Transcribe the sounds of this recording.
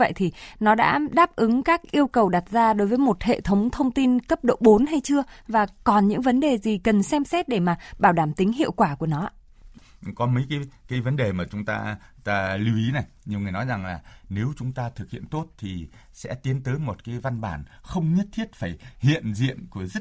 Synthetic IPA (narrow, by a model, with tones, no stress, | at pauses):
və̰˧˨jt̪ʰi˨˩nɔ˨˦ɗa̰ː˧˥ɗaː˦˥p̚ʔɨ˨˦ŋkaː˦˥k̚ʔi˧əwkə˨˩wɗa˨˩t̚zaː˧ɗo˨˦jvəː˨˦jmo˨˩t̚hḛ˧˨t̪ʰə˨˦wŋ͡mt̪ʰə˧wŋ͡mt̪i˧nkə˦˥p̚ɗo̰˧˨ɓo˨˦nɦa˧jt͡ɕɨ˧əvaː˨˩kɔ˨˩nɲɨ̰˧˥ŋvə˨˦nɗe˨˩zi˨˩kə˨˩nsɛ˧msɛ˦˥t̚ɗe˧˩maː˨˩ɓaː˧˩wɗaː˧˩mt̪i˨˦ŋ̟ɦḭ˧˨əwkwaː˧˩ku˧˩ənɔ˨˦ʔa̰˧ | kɔ˨˦mə˨˦jkaː˨˦kaː˨˦jvə˨˦nɗe˨˩maː˨˩t͡ɕʊ˨˦ŋ͡mt̪a̰ː˧ | t̪aː˧li˧wʔi˨˦na˨˩jɲi˨˩əwŋɨ˨˩əjnɔ˨˦jza˨˩ŋlaː˨˩ne˨˦wt͡ɕʊ˨˦ŋ͡mt̪aː˧t̪ʰɨ˨˩k̚hḭ˧˨ənt̪o˦˥t̚t̪ʰi˨˩ | sɛ̰˧˥t̪i˨˦ənt̪əː˨˦jmo˨˩t̚kaː˨˦jva˧nɓaː˧˩nxə˧wŋ͡mɲə˦˥t̚t̪ʰi˦˥ət̚faː˧˩jhḭ˧˨ənzḭ˧˨ənku˧˩əzə˦˥t̚